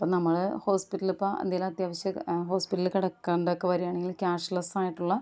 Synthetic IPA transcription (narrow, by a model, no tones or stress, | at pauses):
pːoːnɐmːɐɭɨho̞ːspiʈːɐlupːoɐ̰d̪jelaɐt̪jaːʋɐɕjɐɦoːspiʈːɐlkiɽɐkːeːɳɖɐokːeʋɐɾijaːɳe̞ŋɡilkʲaːʂlɐsaːjiʈːuɭːɐ